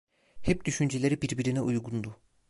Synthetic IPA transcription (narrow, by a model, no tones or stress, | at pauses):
hɛp̚d̪̥yʃynd͡ʒelʲeɾibiɾbiɾinɛʔujɡund̪u